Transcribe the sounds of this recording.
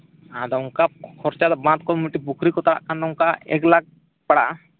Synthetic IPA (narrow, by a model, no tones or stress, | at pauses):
ad̪auŋkakʰɔɾt͡ʃad̪abãt̪̚kɔmuʈibukʰɾikɔt̪aa̰ʔkand̪uŋkaḛklaɡ̚ | paɽa̰ʔ